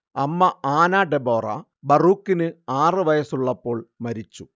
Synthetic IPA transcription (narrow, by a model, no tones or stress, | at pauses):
ɐmːɐaːnaːɖeboːrɐ̰ | bɐruːkːinɨaːrɨʋɐjɐsuɭːɐpːo̞ːɭmɐɾit͡ɕːu